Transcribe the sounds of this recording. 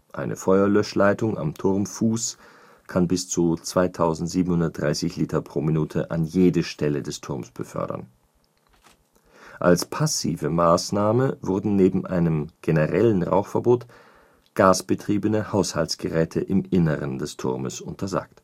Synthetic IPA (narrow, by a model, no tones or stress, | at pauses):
ʔa̰ɪnʔə̰fɔʏɐlœʃlaɪtʊŋa̰mtʰʊʁmfuːs | kʰanbɪst͡sut͡sv̥aɪtʰaʊzn̩tz̥iːbm̩hʊndɐt̚d̥ʁaɪsɪçliːtɐpʁ̥oːminuːtʰəʔanjeːdəʃtʰɛlədɛstʰʊʁmsb̥əfœ̰ɐdɐ̰n | ʔa̰lspʰasḭːvəmaːsnaːməvʊɐdn̩neːbm̩ʔa̰ɪnəmɡ̥enəʁɛlənʁa̰ʊxfɛɐboːt | ɡ̥aːsb̥ətʁ̥iːbənəhaʊshalsɡ̥əʁɛːtʰəʔɪmɪnəʁəndɛstʰʊ̰ʁmə̰sʔʊntʰɐza̰ːkt